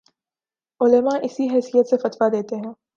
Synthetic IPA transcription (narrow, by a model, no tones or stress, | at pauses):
ʊləmaʔɪsiɦɛːsijət̪sefɐt̪ʋad̪eːt̪eɦɛ̃ː